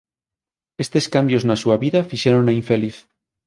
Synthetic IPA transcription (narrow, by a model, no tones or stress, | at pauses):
est̪e̞skambjo̞znasuaβiðafiʃeɾonaiɱfe̞liθ